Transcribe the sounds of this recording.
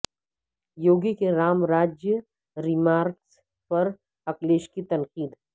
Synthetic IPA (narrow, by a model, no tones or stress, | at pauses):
joːɡikeɾaːmɾaːd͡ʒjə | ɾɪmaːɾks | pɐɾ | ɐkleːʃkit̪ɐnqiːd̪